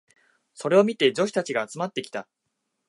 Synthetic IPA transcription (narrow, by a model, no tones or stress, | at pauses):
so̞ɾe̞o̞mʲit̪e̞d͡ʑo̞ɕi̥t̪at͡ɕiɡaːt͡sɨmat̪ːe̞kʲi̥t̪a